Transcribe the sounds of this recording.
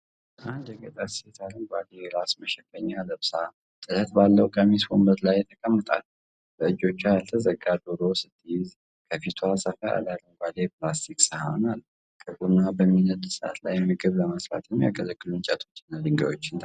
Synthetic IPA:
ʔand̪jɛɡət̪ʼaset̪ʰalɨŋɡʷaleɾasməʃɛkːəɲːaləβsaa | t̪ʼɨlət̪balːəwkʼəmisfombət̪lajɛt̪ʰːəkʼəmːɨt̪ʼa̰l | bəɨd͡ʒo̞t͡ʃːajalt̪ʰəzəɡad̪oɾosɨt̪ʰːɨjɪz | kʰəfit̪ʰoasafəa̰lalɨŋɡʷalepʰlast̪ʰiksəha̰nal | kʰʼəɡunːabənminːət̪səʔa̰t̪lajːɛmːiɡəβləməsɾa̰t̪ʰɨnmja̰ɡəzəkːɨlunt͡ʃʼət̪ʰo̞t͡ʃːɨnːad̪ɨŋɡa̰jo̞t͡ʃːɪnt̪ʰ

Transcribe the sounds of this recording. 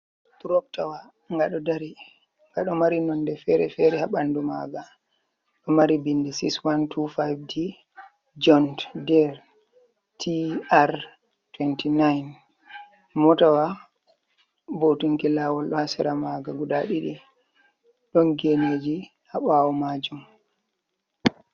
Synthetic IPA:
tuɾɔp̚tawa | ŋɡaɗɔdaɾi | ŋɡaɗɔmaɾinɔnːdɛfɛɾɛfɛɾɛhaɓanduma̰ɡa | ɗɔmaɾibinːdɛsikswantʰufajvdi | d͡ʒɔnddɛɾ | tʰiaɾ | twɛntinajn | mɔtawa | botuŋkilaːwɔlɗɔhasɛɾamaɡaɡudaɗiɗḭ | ɗɔnɡened͡ʒi | haɓawɔmad͡ʒum

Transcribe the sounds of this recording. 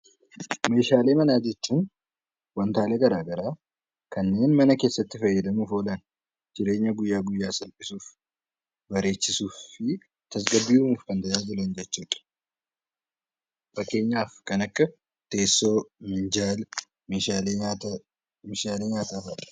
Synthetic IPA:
me̞ːʃaːle̞ːmɐnaːd͡ʒɛt͡ʃːuːn | wɐnt̪aːlɛɡɐɾaːɡɐɾaː | kɐnːe̞ːnmɐnɐke̞ːsːɐt̪ːɪfɐjːɛd̪ɐmufoːlɐn | d͡ʒɪɾe̞ːɲːɐɡʊjːaːɡʊjːaːsɐlpʼɪsuːf | bɐɾe̞ːt͡ʃːɪsuːfːɪ | t̪ɐs̬ɡɐbːiːmuːfkɐnd̪ɐjaːd͡ʒɪlɐnd͡ʒɛt͡ʃːuːᶑ̪ɐ̥ | fɐkːe̞ːɲːaːfkɐnɐkːɐ | t̪e̞ːsːo̞ːmɪnd͡ʒaːl | meːʃaːle | meʃaːle̞ːɲaːt̪aːfɐᶑɐ̥

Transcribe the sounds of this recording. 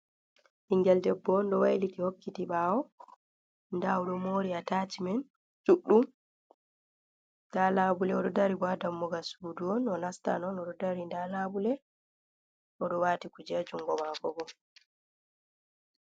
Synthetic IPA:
ʔiŋɡɛldɛbːɔnɗɔwa̰jlitihokːitiɓaːwɔ | ndawuɗɔmoːɾiatat͡ʃimɛn | suɗːum | dalabulɛɔɗɔdaɾibadamːɔɡasuduɔnɔnasta̰nɔnɔɗɔdaɾindalabulɛ | ʔɔɗɔwaːtikud͡ʒɛd͡ʒuŋɡɔmakɔɡɔ

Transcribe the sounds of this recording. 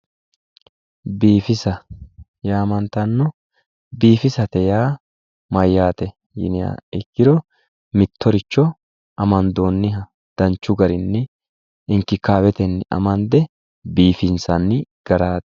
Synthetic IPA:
biːfɪsɐ | jaːmɐnt̪ɐnːɔ | biːfɪsɐt̪ɛjaː | mɐjːaːt̪ɛ | jɪ̰nɪja̰ːɪkːɪɾɔ | mɪt̪ːɔɾɪt͡ʃːɔ | ʔɐmɐnd̪o̞ːnːɪɦɐ | d̪̥ɐnt͡ʃːʊɡɐɾɪnːɪ | ɪŋkɪkaːwɛt̪ɛnːɪʔɐ̰mɐnd̪ɛ | biːfɪnsɐnːɪɡ̥ɐɾaːt̪ɛ̥

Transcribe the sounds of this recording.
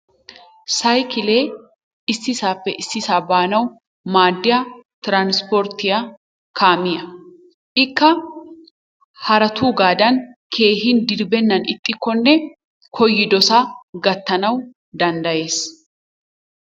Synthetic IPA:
sɐjkɪleː | ɪsːɪsaːpːɛ̰ʔɪsːɪsaːbaːnɐw | maːd̪ːɪjat̪ɾanspɔɾt̪ɪja | kʰaːmɪjɐ | ʔɪkːɐ | hɐɾɐt̪ʰuːɡaːd̪ɐnkʰe̞ːhɪnd̪ɪɾbɛnːɐnɪt̪ʼːɪkːɔnːɛ | kʰɔjːɪd̪ɔsaɡɐt̪ːɐnɐw | d̪ɐnd̪ɐje̞ːs

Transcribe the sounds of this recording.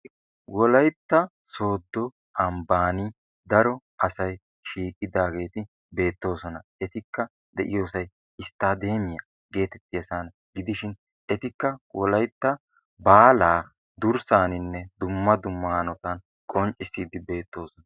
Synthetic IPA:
wɔlɐjt̪ːɐ | so̞ːd̪ːɔ | ʔɐmbaːni | d̪ɐɾɔ | ʔɐsɐj | ʃiːkʼɪd̪aːɡe̞ːt̪ɪ | be̞ːt̪ːo̞ːsɔnɐɛt̪ɪkːɐ | d̪ɛʔɪ̰jo̞ːsɐj | ɪst̪ːaːd̪e̞ːmɪjɐ | ɡe̞ːt̪ɛt̪ːɪjɐsaːn | ɡɪd̪ɪʃɪn | ɛt̪ɪkːɐwɔlɐjt̪ːɐ | baːlaː | d̪ʊɾsaːnɪnːɛd̪ʊmːɐd̪ʊmːɐɐnɔt̪ɐn | kʼɔnt͡ʃʼːɪsiːd̪ɪbe̞ːt̪ːo̞ːsɔnɐ

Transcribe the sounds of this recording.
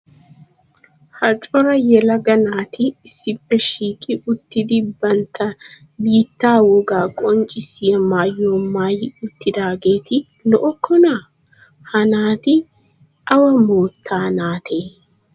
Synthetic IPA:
hɐt͡ʃʼɔɾɐjɛlɐɡɐnaːt̪ɪːsːɪpːɛʃiːkʼɪʊt̪ːɪd̪ɪbɐnt̪ːɐ | biːt̪ːaːwɔɡaːkʼɔnt͡ʃʼɪsɪjɐmaːjːo̞ːmaːjɪʊt̪ːɪd̪aːɡe̞ːt̪ɪ | nɔʔɔkʰːɔna | hɐnaːt̪ɪ | ɐwɐmo̞ːt̪ʰːaːnaːt̪ʰeː

